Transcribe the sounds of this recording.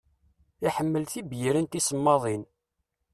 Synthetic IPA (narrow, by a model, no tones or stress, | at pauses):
iħəmːəlθibjiɾənt̪isəmːɑðˤin